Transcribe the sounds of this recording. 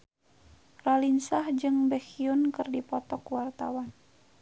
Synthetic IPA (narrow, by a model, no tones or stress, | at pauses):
ralinsahd͡ʒɨŋbɛxiunkɨrdipɔt̪ɔkuwart̪a̰wan